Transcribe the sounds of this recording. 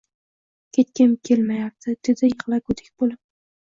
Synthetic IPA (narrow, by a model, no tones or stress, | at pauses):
kʲʰet̪kʲɪmkʲʰelmajap̚t̪ʰɪd̪̥ɪd̪ɪjɨʁlˠaɡʊd̪ɪk̚ʲbolɪp̚